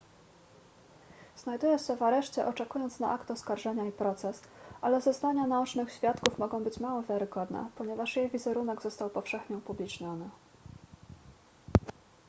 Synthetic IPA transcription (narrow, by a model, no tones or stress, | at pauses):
z̥najd̪ujɛ̃ɕɛvaɾɛʂt͡ɕɛʔɔt͡ʂɛkujɔnt̪sna̰ʔakt̪ɔskaɾʐɛɲaipɾɔt̪sɛsʔalɛzɔznaɲanaut͡ʂnɘxɕfʲjat̪kufmɔɡɔ̃w̃bɘt͡ɕmawɔvʲjɛɾɘɡɔd̪nɛ̰pɔɲɛvaʂjejvʲizɛɾunɛɡzɔst̪awpɔfʂɛxɲɛupublʲit͡ʂɲɔnɘ